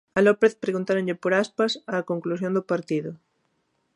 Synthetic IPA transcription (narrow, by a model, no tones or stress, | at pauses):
alopeθpɾeɣunt̪aɾoʎepoɾaspasaːkõŋklusjond̪ʊpaɾt̪iðʊ